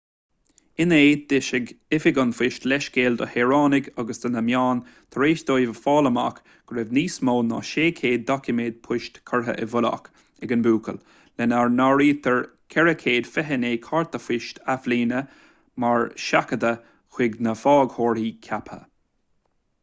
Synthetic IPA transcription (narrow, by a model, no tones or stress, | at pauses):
ɪneːd̪̥ɪʃɪɡɪfɪɡənfɪʃtlɛʃkeːld̪ə̰heːɹaːnɪɡaɡəsd̪ənəmjaːnt̪ʰəɾeːʃd̪ojvəfɑːləma̰k | ɡ̥ɾɛvniːsmoːnɑ̰ʃeːkʰeːd̪̚ːɔkʰɪmeːd̪̥̚pʰʊʃt̪kʰəɹɦə̰ʔɛvʊla̰k | ɛɡənbuːkʰəl | lɛnaɹnaɹiːt̪ʰəɹkʰɛɹəkʰeːd̪̥fɛɦəneːkʰaɹt̪əfɪʃt̪ʰafliːnə | maɹʃakəd̪ə | xwɪɡnəfɑːɡhoːɹhiːkʰapʰə̰